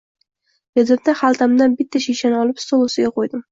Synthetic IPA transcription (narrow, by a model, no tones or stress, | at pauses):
bezɪɾd̪aχalˠt̪ʰamd̪anbɪt̪ʰːaʃiʃanɒlɪpst̪olˠosɪɡʲaqʰojd̪ɪm